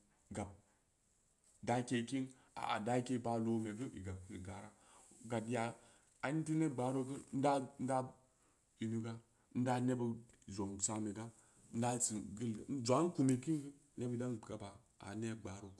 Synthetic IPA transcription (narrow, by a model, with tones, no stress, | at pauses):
ɡa˨b̚ | da˨ke˨ki˦n | a̰˨a̰˨da˦ke˦˨ba˨lo˨me˨ɡə˦i˨ɡa˨bkɡa˨ɾa˦ | ɡa˨tja˨ | a˨ni˦ti˦ne˦ɡ͡ba˨ɾo˦kə˦ɾn̩˦da˦n̩˦da˦ | i˨nu˨ɡa˦ | n̩˦da˦ne˦bə˨ | zo˨m˨sa˦me˨ɡa˦ | n̩˦da˦t͡si˨ɡə˦l̩˨˦zʷa˨˦n˦ku˨me˨ki˦ŋɡə˦ | ne˦bi˨da˦n˨ɡa˨ba˨ | a̰˨ne˦ɡ͡ba˨ɾo˨